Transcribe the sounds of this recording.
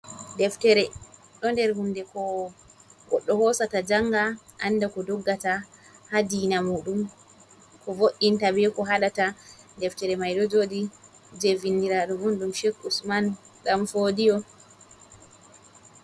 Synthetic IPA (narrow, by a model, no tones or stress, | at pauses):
dɛftɛɾɛ | ɗɔndɛɾhundɛkɔ | ɡɔ̰ɗːɔhɔsatad͡ʒaŋːɡa | ʔanːdakɔdɔɡːatahadinamuːɗum | kɔvoʔːintabɛkɔɦaɗata | dɛftɛɾɛmajɗɔd͡ʒoːdi | d͡ʒevindiɾaɗumɔnɗumʃekːusman | ɗamfodijɔ